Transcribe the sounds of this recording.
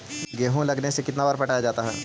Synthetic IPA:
ɡeːɦõlɐɡnesekɪt̪nabaːɾpɐʈaːjad͡ʒaːt̪aɦɛː

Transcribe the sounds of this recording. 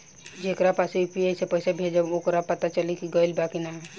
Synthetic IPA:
d͡ʒekɾapasjupiesepəɪsebʱed͡ʒaokɾapət̪at͡ʃəlikiɡəilbakinaɦɛ

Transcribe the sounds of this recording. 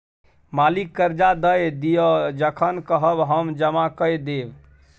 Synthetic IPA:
malikːəɾd͡ʒad̪əjd̪ijod͡ʒəkʰənkəɦəbɦəmd͡ʒəmakəjd̪eb

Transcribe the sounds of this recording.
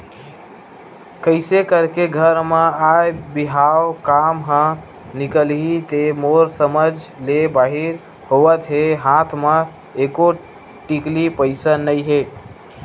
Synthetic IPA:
kəɪsekəɾkeɡʱəɾmeajbiɦaokamɦə̃ | nikəlɦit̪emoɾsəməd͡ʒlebaɦiɾ | hoʋət̪ɦeɦãt̪ʰme | eko | ʈiklipəɪsənəjɦe

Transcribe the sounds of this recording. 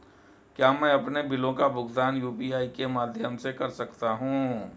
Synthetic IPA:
kjaːmɛ̃ːɐpnebɪlõkabʊɡd̪aːnjuːpiaːikemaːd̪ʱjəmsekɐɾsɐkt̪aɦũː

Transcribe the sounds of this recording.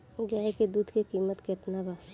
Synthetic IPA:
ɡjaːeked̪uːd̪ʱkekiːmət̪ket̪naba

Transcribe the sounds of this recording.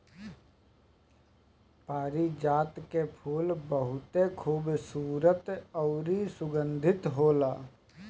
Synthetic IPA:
paːɾid͡ʒaːt̪kepʰuːlbəɦʊt̪ekʰuːbsuːɾət̪ɔːɾisʊɡə̃nd̪ʱɪt̪ɦoːlaː

